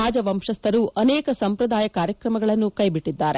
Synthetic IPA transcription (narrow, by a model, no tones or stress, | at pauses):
aːd͡ʒɐʋɐmʂɐst̪ʰɐɾuʔɐnɛːkɐsɐmpɾɐd̪aːjɐkaːɾjɐkɾɐmɐɡɐɭɐnːukɐjbiʈːid̪ːaːɾe